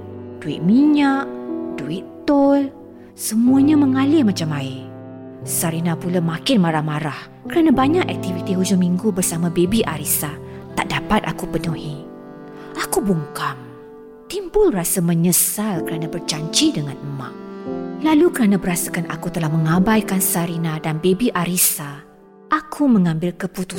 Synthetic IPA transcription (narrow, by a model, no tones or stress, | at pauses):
d̥uɪ̰ʔ̪̚miɲaʔduiʔt̪ɔl | səmũaɲãmə̃ŋalɪhmat͡ʃamaɪ | saɾinãpulamakɪnmaɾahmaɾah | kəɾanãbaɲakɛ̰k̚t̪ivit̪iɦud͡ʒʊmiŋɡubərsamãbebiʔa̰ɾisat̪a̰ʔdapat̪a̰kupənũɦi | akubuŋkam | t̪imbʊlrasamə̃ɲəsalkəɾanãbərt͡ʃaɲt͡ʃidəŋãnəmã̰ʔlalukəɾanãbəɾasəkana̰kut̪əlahmə̃ŋãbajkansaɾinãdanbebiʔaɾisa | ʔakʰumə̃ŋãmbɪlkəput̪u